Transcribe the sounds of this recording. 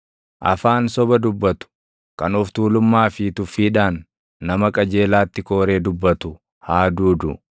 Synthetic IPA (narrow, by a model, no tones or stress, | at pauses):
ʔɐ̰faːnsɔbɐd̪ʊbːɐt̪ʊ̥ | kɐnɔft̪uːlʊmːaːfiːt̪ʊfiːᶑaːnː | ɐmɐkʼɐd͡ʒe̞ːlaːt̪ːɪko̞ːɾe̞ːd̪ʊbːɐt̪ʊ | haːd̪uːd̪ʊ̰